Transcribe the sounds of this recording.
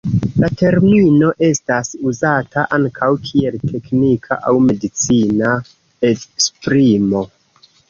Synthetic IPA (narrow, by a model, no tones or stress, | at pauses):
late̞ɾmino̞ʔe̞stasuzatʰaʔaŋkʰawkʰie̞ltʰe̞knikʰa̰ʔawme̞dit͡sina | etspɾimo̞